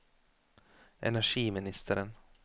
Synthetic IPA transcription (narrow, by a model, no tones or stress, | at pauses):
ʔɛ̰næʂiːmɪnɪst̪ʰəɾən